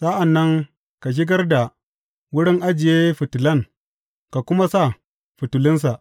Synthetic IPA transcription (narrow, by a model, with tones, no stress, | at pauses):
sa˦ʔa˨nːɐ˦ŋ | ka˨ʃ̬ɪ˦ɡɐ˦rda˨ | wʊ˦ɽɪ˦ŋʔa˦d͡ʒɪ˨je˦ɸʊ˨tʊ˨lɐ˦ŋ | ka˨kʷʊ˦ma˦sa˦˨ | ɸʊ˨tʊ˨lɪ˦ns̬a˨ʔ